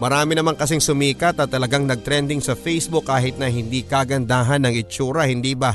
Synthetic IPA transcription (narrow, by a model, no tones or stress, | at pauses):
mɐɾaːmɪnɐmaŋkɐs̬ɪŋsʊmiːkɐt̪ɐt̪ːɐlɐɡaŋnɐɡ̚t̪ɾɛnd̪ɪŋsɐfɛjsbʊkːaːɦɪt̪̚nɐɦɪnd̪ikaɡɐnd̪aːɦɐnɐŋɪt͡ʃuːɾɐhɪnd̪iːba